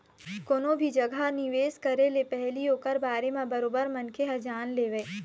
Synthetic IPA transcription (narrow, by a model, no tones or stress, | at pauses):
koːnõbʱid͡ʒɐɡʱanɪʋeːskɐɾelepɛɦlioːkəɾbaːɾemãbɐɾoːbəɾmɐnkʰeɦɐd͡ʒaːnleːʋeeː